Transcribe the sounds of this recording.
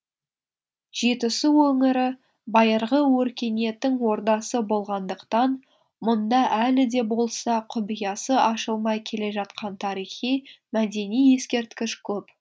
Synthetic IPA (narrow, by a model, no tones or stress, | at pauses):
ʒ̥et̪ʊsɪwɵŋɪɾɪ | bɑjəɾʁəwɵɾkʲe̞ne̞t̪ɪŋwo̞ɾd̪ɑsəbo̞lˠʁɑnd̪əqt̪ɑn | mʊnd̪ɑʔælɪd̪e̞bo̞lˠsɑqʰʊbijɑsəʔɑʃəlˠmɑjkʲʰe̞le̞ʒɑt̪̚qɑnt̪ʰɑɾijχijmæd̪e̞nijːe̞skʲe̞ɾt̪kʲɪʃkʲʰɵp